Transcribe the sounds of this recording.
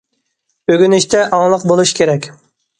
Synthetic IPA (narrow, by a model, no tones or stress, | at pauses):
øɡʲynɪʃt̪ʰɛʔɑŋlˠəqbolˠuʃkʲʰeɾɛkʲ